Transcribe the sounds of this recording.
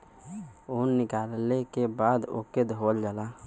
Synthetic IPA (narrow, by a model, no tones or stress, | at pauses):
oːnːɪkaːllekebaːd̪o̰ked̪ʱɦoːld͡ʒaːla